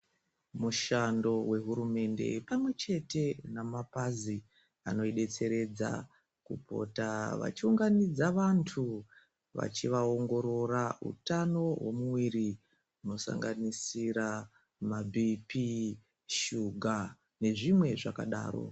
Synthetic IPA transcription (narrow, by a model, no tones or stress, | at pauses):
muʃando̞we̞ɦuɾume̞nde̞̰pamwe̞t͡ʃe̞te̞namapazi | ano̞iɗe̞t͡se̞ɾe̞d͡za̰ | kupʰo̞̰taʋa̰t͡ʃiuŋɡanid͡zaʋantʰu | ʋa̰t͡ʃiʋao̞ŋɡo̞ɾo̞raṵtano̞wo̞̰muwiɾi | uno̞sa̰ŋɡanisiɾa | mabʱipi | ʃuɡʱa | ne̞ʐimwe̞ʐakaɗa̰ːro̞̰